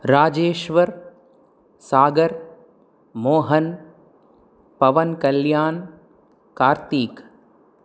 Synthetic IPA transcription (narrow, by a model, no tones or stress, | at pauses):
ɾaːd͡ʒeːʃʋɐɾ | saːɡɐɾ | moːɦɐn | pɐʋɐnkɐljaːn | kaːɾt̪iːk